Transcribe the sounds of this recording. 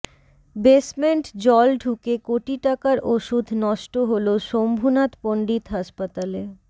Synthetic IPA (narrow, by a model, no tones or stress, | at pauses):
besmeɳʈd͡ʑɔlɖʱukekoʈiʈakaɾʔoʃud̪ʱnɔʃʈoɦoloʃombʱunat̪poɳɖit̪ɦaʃpat̪ale